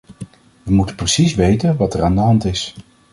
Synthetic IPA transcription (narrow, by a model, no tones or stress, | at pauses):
ʋəmutəprəsisʋejtənʋɑtɛraːndəɦɑntɪs